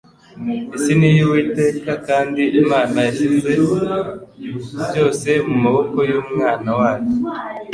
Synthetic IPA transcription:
isinijiwiːte̞ːkakaːndiʔimaːnajaʃize̞ | ɟo̞ːse̞mumaβo̞ko̞juːmŋaːnawaːjo

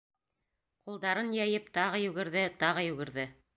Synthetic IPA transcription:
qulˠd̪ɑɾɤnjæjɘpt̪ɑʁɤjʉɡɘ̆ɾðɘt̪ɑʁɤjʉɡɘ̆ɾðɘ

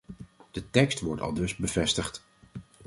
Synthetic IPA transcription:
d̥ətɛkstʋɔɹtɑ̰lˠdɵzbəvɛstəχt

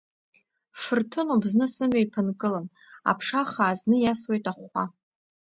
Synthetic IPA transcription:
fɨrtʰɨnubznɨsɨmɥajpʰɨnkʼɨlan | a̰pʰʂaχaːznɨjaswe̞jtʼaχʷa̰

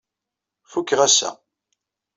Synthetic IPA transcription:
fukːʁæsæ̰

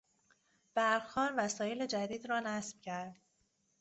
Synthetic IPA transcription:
b̥æɾxɒːnvæsɒːjeled͡ʒæd̪iːd̪ɾɒːnæsb̥cʰæɾd̪̥̚

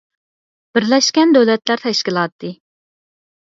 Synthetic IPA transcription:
b̥ɪɾlɛʃkʲɛnd̪ɛwlɛt̪læɾt̪ʰɛʃkʲilˠɑt̪ːɨ

